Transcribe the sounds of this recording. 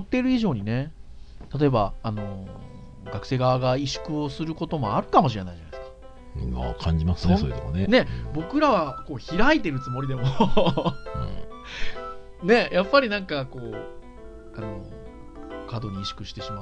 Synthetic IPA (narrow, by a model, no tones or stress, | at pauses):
t̪ːe̞ɾɯ̟iʑo̞ːɲ̟ine̞t̪at̪̬o̞e̞baːno̞ | ɡakɯ̟̥se̞ːɡaβaɡaiɕɨ̥kɯ̟o̞sɨɾɯ̟ko̞t̪o̞mo̞aɾɯ̟kamo̞ɕ̬iɾe̞naiʑaneskḁ | ma̰kʰãɲ̟d͡ʑimasɨnesoɾet̪omonene̞bo̞kɯ̟ɾaβako̞ːçiɾait̪e̞ɾɯ̟t͡sɨmo̞ɾʲid̪e̞moo̰ | ne̞japːaɾʲinãŋkako̞ː | ano̞̰ | kad̪o̞ɲ̟iːɕɨ̥kɯ̟ɕi̥t̪e̞ɕima